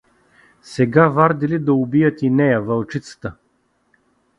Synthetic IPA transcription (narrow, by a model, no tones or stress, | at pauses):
sɛɡavaɾd̪ilid̪ɐʊbijət̪inɛjəvɐlˠt͡ʃit̪sə̥t̪ə